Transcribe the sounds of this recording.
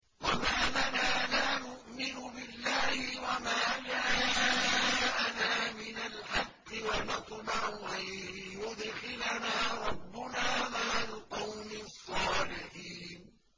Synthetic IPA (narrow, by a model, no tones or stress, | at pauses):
wamaːnanaːlaːnʊʔmɪnʊbɪlːaːhɪwamaːd͡ʒaːaaʔanaːmɪnalħɑqːɪwanɑt̪ˤmaʕʊʔaljʊd̪xɪlanaːɾˤɑbːʊnaːmaʕlɪqɑwmɪsˤːɑːlɪħiːn